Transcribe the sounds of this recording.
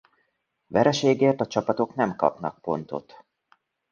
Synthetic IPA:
vɛɾɛʃeːɡeːrt̪ɒt͡ʃɒpɒt̪o̞kn̪ɛmkɒ̰pnɒ̰k̚po̞̰nt̪o̞̰t̪

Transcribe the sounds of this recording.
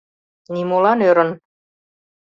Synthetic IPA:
nimolɑnøɾə̆n

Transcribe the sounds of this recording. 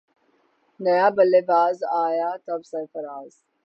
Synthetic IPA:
nɐjaːbɐleːbaːzaːjaːt̪ɐbsɐɾfəɾaːz

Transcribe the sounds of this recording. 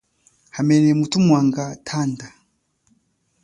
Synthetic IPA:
hamɛnɛmutumwaŋɡatʰanda

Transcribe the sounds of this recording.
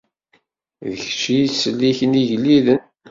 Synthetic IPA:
ðəçt͡ʃisəlːiçəniʝlːiðən

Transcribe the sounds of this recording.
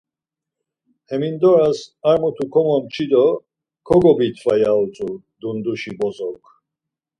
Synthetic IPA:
hɛmind̪ɔɾasaɾmut̪ʰukʰɔmɔmt͡ʃʰid̪ɔ | kʰɔɡɔbit̪ʰvajalt͡sʼu | d̪und̪uʃibɔzɔwkʰ

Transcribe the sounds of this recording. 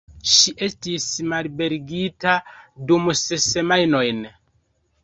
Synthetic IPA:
ʃiʔe̞stismalbe̞ɾɡitadumsese̞majno̞jn

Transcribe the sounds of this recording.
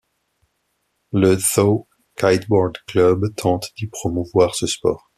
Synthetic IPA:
ləθo | kajt̪bɔʁd̪klœbt̪ʰɑ̃t̪d̪̥ipχɔmuvwaʁsəspɔːʁ

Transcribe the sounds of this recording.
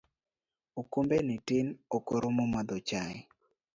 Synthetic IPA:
okombenɪtɪnokoɾomomad̪ot͡ʃaɪ

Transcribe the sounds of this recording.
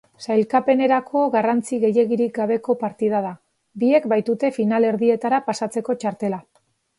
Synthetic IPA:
sajlkape̞ne̞ɾakʰo̞ɣarant͡siɣe̞je̞ɣiɾik̚ɡaβe̞ko̞paɾt̪iðað̞a | bie̞kbajt̪ut̪e̞finale̞ɾðie̞t̪aɾapasat͡se̞ko̞t͡ʃaɾt̪e̞la

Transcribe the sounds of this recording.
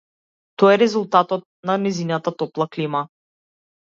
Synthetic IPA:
t̪ɔɛɾɛzulˠt̪at̪ɔt̪̚nanɛzinat̪at̪ɔplˠaklima

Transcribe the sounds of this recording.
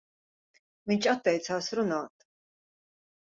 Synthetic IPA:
mint͡ʃʰat̪ʼːɛjt̪sʰaːsɾunaːt̪ʰ

